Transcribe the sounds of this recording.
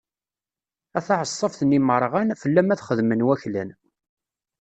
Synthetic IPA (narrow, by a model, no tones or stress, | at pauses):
æθɑʕəsˤːəfθəniməɾˤʁænfəlːæmæθχəðmənwæçlæn